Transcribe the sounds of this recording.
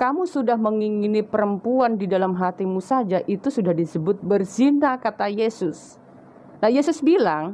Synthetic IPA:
kamusudahməŋiŋinipəɾəmpuandidalamɦat̪imusad͡ʒaʔit̪usudahdisəbʊt̪̚bərz̥inakat̪ajesʊs | nahjesʊsbilaŋ

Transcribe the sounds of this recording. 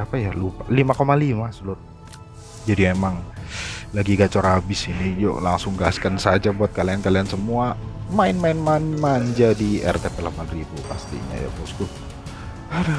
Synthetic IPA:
apajalupalimakomalimasulʊt̪̚ | d͡ʒadimemaŋ | laɡiɡat͡ʃɔɾabɪsinijo̰laŋsʊŋɡaskansad͡ʒabuat̪̚kaliankaliansəmuamaɪnmaɪnmaɲmaɲd͡ʒadiɛ̰rt̪epɛlapanribupa̰st̪ḭɲa̰ja̰puskʊ | aɾ

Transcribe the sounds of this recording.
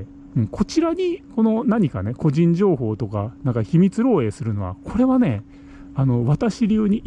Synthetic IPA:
ɯ̟̃ɴko̞t͡ɕiɾaɲ̟iko̞no̞naɲ̟ika̰ne̞ko̞ʑĩɲ̟d͡ʑo̞ːɦo̞ːt̪o̞kanãŋkaçimʲit͡sɨɾo̞ːe̞ːsɨɾɯ̟no̞βa̰kʰo̞ɾe̞βane̞ | ano̞βat̪aɕiɾʲɯːɲ̟iʔ

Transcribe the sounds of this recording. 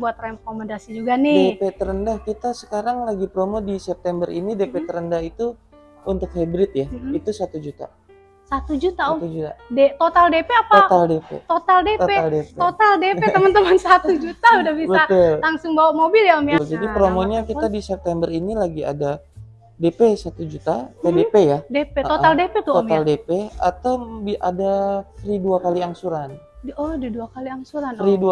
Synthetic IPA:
buat̪̚rekoməndasid͡ʒuɡanɪdepet̪əɾəndahkit̪asə̥kaɾaŋlaɡipɾomodisɛp̚t̪ɛmbəɾḭnidepet̪əɾəndahit̪u | unt̪ʊkhabɾɪt̪̚jahit̪usat̪ud͡ʒut̪a̰ | sat̪ud͡ʒut̪aoud͡ʒua̰det̪ot̪aldepeapaot̪aldepḛt̪ot̪aldet̪ealdep̪ot̪aldepet̪əmənt̪əmənsat̪ud͡ʒut̪audahbibəaʊllaŋsʊŋbawaʔmobiljamjld͡ʒadipɾomoɲakit̪adisɛp̚t̪ɛmbəɾinilaɡia̰da | depesat̪ud͡ʒut̪apedepejadepeot̪aldepet̪uomaldepea̰t̪awbiadariduakaliaŋsuɾan | dɔdaduakaliaŋsuɾanridua

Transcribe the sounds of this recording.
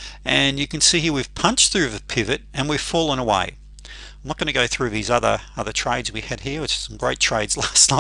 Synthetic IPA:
ɨ̃njɨkɨ̃nsihiɹwiv̥pʰʌ̃nt͡ʃθɹʉvɨpʰɪvɨɾɨ̃nwiv̥fɔlˠə̃nəwḛɪ | ãɪmnət̚ɡ̥ʌnɨɡoʊθɹʉʌvðizʌðə̰˞ʌðə˞tʰɹ̥eɪdzwiɨd̚hiɹwɨt͡ʃsʌ̃mɡɹeɪtʰɹ̥eɪdz̥læsnaɪ

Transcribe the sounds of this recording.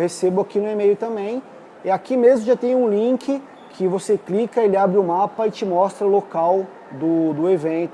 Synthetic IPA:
hesebʊakinʊemejʊt̪ɐ̃mbẽj̃ | ɪakimezmʊʒat̪ẽj̃ũlĩkɪ | kʰɪvoseklikɐelɪabɾɪʊmapɐɪt͡ʃɪmɔst̪ɾɐʊlokaw | d̪ʊd̪ʊevẽnt̪ʊ

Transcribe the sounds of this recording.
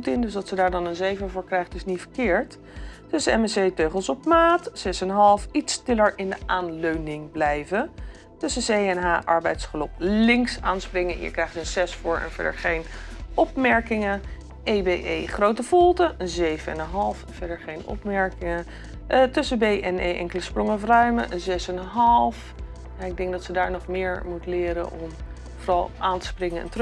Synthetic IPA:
tɪndɵsdɑtsədaːɹdɑnənzejvəvʊːɹkrɛjχtɪsnitfəɹkɪːɹt | tɵsəɛmɛsejtøɥχəlˠsɔpmaːtsɛsɛnɦɑlˠfitstɪləɹɪndəʔaːnløɥnɪŋblɛjvən | tɵsəsejɛnɦaːʔɑɹbɛjtsχəlɔplɪŋksaːnsprɪŋəɪ̰ɹkrɛjχtənsɛsfʊːɹɛ̰nv̥ɛ̰də̰ɹχejnɔpmɛɹkɪŋə | ejbeʔejχrowtəv̥ɔlˠtəʔənzejvəɛ̰nənɦɑlˠfənv̥ɛɹdəɹχejnɔ̰pmɛɹkɪŋə | tɵsəbejʔɛnḛjʔɛ̰ŋkələsprɔŋəfrœɥməʔənzɛsənənɦɑlˠf | jaɪɡ̚dɛŋɡdɑtsədaːɹnɔχmɪːɹmutəlɪːɾə̰nʔɔ̰m | vorɑlˠʔaːntə̥sprɪŋəɛ̰ntr

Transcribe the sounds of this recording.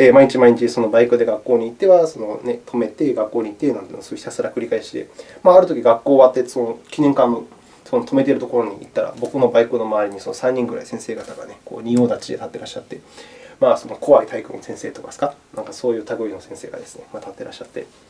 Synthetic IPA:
eːmaiɲ̟it͡ɕimaiɲ̟it͡ɕiso̞no̞baikɯ̟d̪e̞ɡakːo̞ːɲ̟iːt̪ːe̞βaso̞no̞ne̞t̪ʰo̞me̞t̪eɡakːo̞ːɲ̟it̪ːe̞nãnt̪ːnosoçi̥t̪asɨɾakɯ̟ɾʲikaeɕi̥t̪e̞̰maːɾɯ̟t̪o̞kʲiɡakːo̞ːβat̪ːe̞sonokʲinẽ̞ŋkãnːo | so̞not̪o̞me̞t̪e̞ɾɯ̟t̪o̞ko̞ɾo̞ɲ̟iit̪ːaɾa̰bo̞kɯ̟no̞baikɯ̟no̞maːɾʲiɲ̟iso̞no̞sãɲ̟ːĩŋɡɯ̟ɾa̰isẽ̞ɰ̃se̞ːɡat̪aɡa̰ne̞ko̞̰ːɲ̟io̞ːd̪at͡ɕid̪e̞t̪at̪ːe̞ɾaɕːat̪ːe̞maːso̞no̞ko̞βait̪ʰaikɯ̰̃nsẽ̞ɰ̃se̞ːt̪o̞kasɨ̥kanãŋkaso̞ːjɯ̟ːt̪aɡɯ̟ino̞sẽ̞se̞ːɡa̰d̪e̞sɨ̥ne̞mat̪at̪ːe̞ɾʔa̰ɕːat̪ːe̞̰

